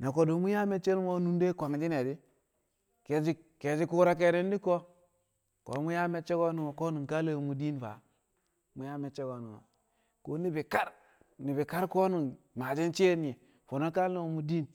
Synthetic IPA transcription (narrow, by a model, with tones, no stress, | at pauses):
na˨ko˨do˨mu˦ja˦me˨t͡ʃe˦ɾmo˦nu˦nde˦kʷa˨ŋd͡ʒi˦ne˨di˦ | ke˨d͡ʒi˦ | ke˨d͡ʒi˦ku˦ɾa˦k̬e˨ne˦n˦di˦ko˦ | ko̰˨˦mu˦ja˦me˦t͡ʃe˦ɡo˦nu˨ŋo˨ko˦nu˨n˨ka˦le˦˨mu˨di˦nva̰˨ | mu˨˦ja˦me˨t͡ʃe˦ɡo˨nu˨ŋo̰˨ | ko˦ni˦bi˨ka˦ɾ | ni˨bi˨ka˦ɾko˦nu˨n | ma˨d͡ʒe˦nt͡ʃe˦ni˨e˨ | fo˨no˦ka˦le˦˨mu˨di˦n